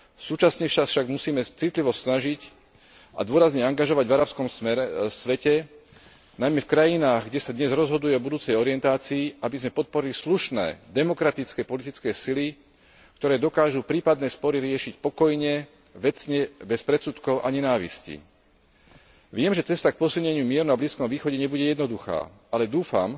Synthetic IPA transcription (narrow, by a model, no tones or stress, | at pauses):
suːt͡ʃasɲɛfʃafʃaɡmusiːmɛt͡sit̪liʋɔsnaʒic | ʔa̰d̪ʊɔɾazɲɛaŋɡaʒɔʋaɟvaɾaːpskɔmsʋɛcɛ | najmɛfkɾajinaːɣɡɟɛsad̪ɲɛzɾɔzɦɔd̪ujɛɔbud̪uːt͡sɛjɔɾiɪɛnt̪aːt͡siːabizmɛpɔt̪̚pɔɾilisluʃnɛ̰ːd̪ɛmɔkɾat̪it͡skɛːpɔlit̪it͡skɛːsili | kt̪ɔɾɛːd̪ɔkaːʒupɾiːpad̪nɛːspɔɾiɾɪɛʃicpɔkɔjɲɛ | ʋɛt͡sɲɛbɛspɾɛt͡sut̪kɔʊʔaɲɛnaːʋḭscḭ | ʋɪɛmʒɛt͡sɛst̪ak̚pɔsilɲɛɲɪumɪɛɾunabliːskɔmʋiːxɔɟɛɲɛbuɟɛjɛd̪nɔd̪uxa̰ː | alɛd̪uːfa̰m